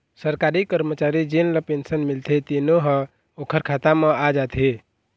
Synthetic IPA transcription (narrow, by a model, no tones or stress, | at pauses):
səɾkaɾikəɾmət͡ʃaɾid͡ʒenləpensənmilt̪ʰet̪inoɦə̃ | okʰəɾkʰat̪amead͡ʒat̪ʰe